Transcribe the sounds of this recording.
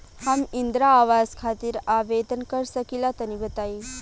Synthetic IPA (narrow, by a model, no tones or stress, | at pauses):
hamind̪ɾaːʋazkʰat̪iːɾaʋed̪ənkəɾsəkilat̪ənibət̪ai